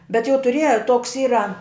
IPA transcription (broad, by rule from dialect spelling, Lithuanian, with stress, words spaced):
bʲɛt jɛʊ tʊˈrʲiɛjɛ toːks ˈiːrɐ